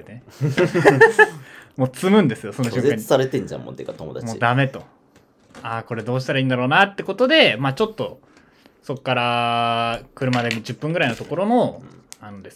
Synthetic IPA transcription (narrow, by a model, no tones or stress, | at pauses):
et̪ene | mo̞ːt͡sɨmɯ̟̃nd̪e̞sɨjo̞sonoɕoaɲsaɾet̪ẽɲd͡ʑã̰mõ̰t̪ekat̪omo̰d̪amoːd̪ame̞t̪o̞ | aːko̞ɾe̞d̪o̞ːɕi̥t̪aɾaiːnd̪aɾo̞ːnat̪ːe̞ko̞t̪o̞d̪e̞maːt͡ɕo̞t̪ːo̞ | so̞kːaɾa | kɯ̟ɾɯ̟mad̪emʲid͡ʑɨpːɯ̟̃ŋɡɯ̟ɾaino̞t̪o̞ko̞ɾo̞no̞ | anod̪e̞sɨ